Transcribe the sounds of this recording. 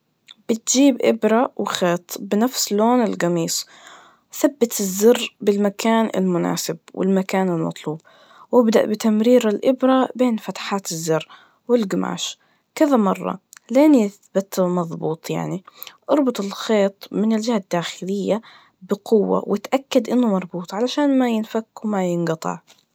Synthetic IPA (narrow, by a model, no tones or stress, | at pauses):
b̥ɪt̪d͡ʒiːbʔɪbɾˤawxeːt̪ˤbɪnafsloːnɪlɣɑmiːsˤ | θabːɪt̪ɪzːɪrːbɪlmakʰaːnɪ̰lmʊna̰ːsɪbwʔɪ̰lmakaːnɪlmɑ̰t̪ˤluːb | wɪbd̪a̰ʔbɪt̪amɾiːɾalʔɪbɾˤabeːnfat̪ħaːt̪ɪzːɪrː | wɪlɡɪma̰ːʃ | kɪðamɑrˤːɑ̰leːnjɪθbat̪mɑðˤbuːt̪ˤja̰ʕniʔɑɾˤbʊt̪ˤɪlxeːt̪ˤmɪnɪld͡ʒɪhad̪ːaːxɪlɪjːa | bɪqʊwːa̰wʔɪt̪ʔakːad̪ʔɪnːʊmɑɾˤbuːt̪ˤʕalaʃaːnmajɪnfakːwmajɪnɡɑt̪ˤɑ̰ʕ